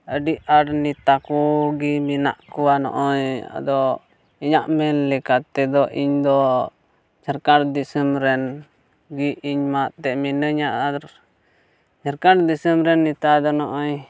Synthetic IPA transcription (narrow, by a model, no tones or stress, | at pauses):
əɖiʔaɾnit̪akuɡimina̰ʔkuwanɔ̰ʔɔɲa̰d̪ɔ | iɲaʔmɛnlɛkat̪ɛd̪ɔʔiɲd̪ɔ | d͡ʒaɾkaɾd̪isəmɾɛn | ɡiiɲmaʔt̪ɛʔminəɲaʔaɾ | d͡ʒaɾkaɾd̪isəmɾɛnːit̪ad̪ɔnɔʔɔɲ